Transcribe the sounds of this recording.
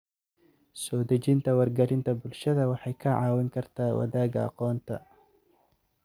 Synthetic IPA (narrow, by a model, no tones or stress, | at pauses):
sɔːd̪ɐt͡ʃɪnt̪ʰɐwɐrɡɐlɪnt̪ʰɐbʊlʃɐðɐwɑħɑjkʰɐʕɑːwɪŋkʰɐrt̪ʰaːwɐ̰ðaːɡɐɑ̰qɔːnt̪ʰɐ